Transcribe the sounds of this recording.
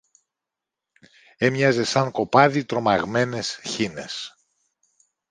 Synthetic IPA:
emɲɐzesɐŋko̞pɐðit̪ɾo̞mɐɣme̞ne̞sçine̞s

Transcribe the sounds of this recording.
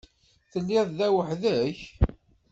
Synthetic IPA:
θəlːiððæwəħðæç

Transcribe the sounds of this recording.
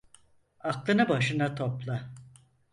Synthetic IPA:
aklˠɯnɯbaʃɯnat̪ʰo̞plˠa

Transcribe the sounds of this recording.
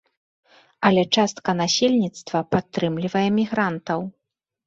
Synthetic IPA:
ɐlʲɛt͡ʂast̪̚kɐnasʲelʲnʲit̪st̪vɐpat̪ːɾɨmlʲivɐjɛmʲiɣɾant̪ɐw

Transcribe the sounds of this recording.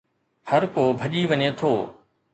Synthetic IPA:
hɐɾkoːbʱɐʄiʋɐɲet̪ʰoː

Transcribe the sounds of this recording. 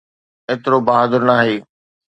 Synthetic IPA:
eːt̪ɪɾobaːɦaːd̪əɾnaːɦeː

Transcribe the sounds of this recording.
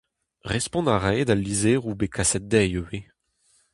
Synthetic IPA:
ʁɛspɔ̃naʁɛjd̪alːizeːʁubekʰasɛt̪̚d̪ɛjøwe

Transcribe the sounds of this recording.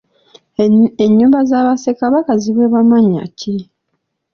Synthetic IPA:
eɲːuːmbazaβasekaβakaziβweβamaɲa̰cʰi

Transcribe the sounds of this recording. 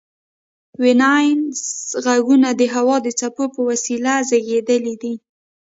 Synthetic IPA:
wɪnɑjnzɣaɡunad̪əɦawɑd̪ət͡sapopəwasilazaɡed̪əlid̪i

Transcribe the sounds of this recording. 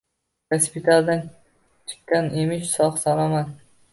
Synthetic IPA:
ɡ̥aspʰɪt̪ʰald̪an | t͡ʃʰɨ̥qkːanemɪʃsɒχsalˠɒmad̪

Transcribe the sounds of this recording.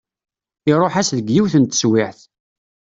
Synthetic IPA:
iɾˤoħæsðəɡjiwθənt̪ə̥swɪħθ

